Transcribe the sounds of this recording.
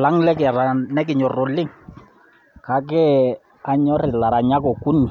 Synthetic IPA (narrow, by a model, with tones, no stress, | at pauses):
la˦ŋlɛ˦kɾa˨nɛ˦k̬ɪ˨ɲɔ˨rʊ˨lːɪ˦ŋ | ka˨˦k̬ɛ˦ | a˨ɲɔ˦ɾɪ˨la˨ɾa˨ɲa˦kɔ˨ku˦nːi˨